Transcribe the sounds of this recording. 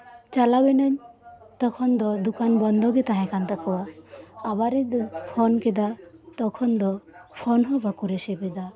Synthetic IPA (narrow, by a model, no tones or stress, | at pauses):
t͡ʃalawɛnaɲt̪ɔkʰɔnd̪ɔd̪ukanbɔnd̪ʱɔɡɛt̪aɦɛ̃kant̪akʰɔwaː | baɾɛd̪ɔpʰɔnkɛd̪at̪ɔkʰɔnd̪ɔpʰɔnɦɔ̃bakuɾɛsɛbɛd̪a